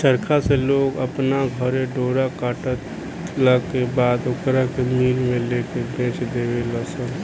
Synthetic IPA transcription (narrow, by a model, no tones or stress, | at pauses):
t͡ʃəɾkʰaseloːɡəpnaɡʱəɾẽɖoːɽakaːʈət̪ | lakebaːd̪ʊkɾakemiːɾmẽleːkebẽːt͡ʃd̪eːʋeləsən